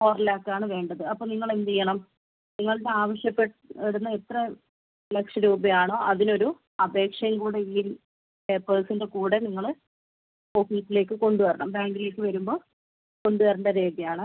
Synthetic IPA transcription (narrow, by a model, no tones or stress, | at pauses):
oːrɐlaːkːaːɳɨʋe̞ːɳɖɐðɨɐpːoːniŋːɐɭend̪ijːɐɳɐm | niŋːɐɭiɽe̞aːʋɐɕjɐpːeʈ | ɐɽunːɐet̪rɐ | lekʂɐɾuːbɐjaːɳo̞ːʔɐðino̞ɾu | ɐbʱe̞ːkʂɐjɐŋkuːɽeiː | epːɐːsindekuːɽe̞niŋːɐɭ | ofiːsile̞ːkːɨko̞ɳɖuʋɐɾɐɳɐmbaːŋɡile̞ːkːɨʋɐɾumbo̞ː | ko̞ɳɖuʋɐrɐɳɖɐɾeːd̪ijaːɳɨ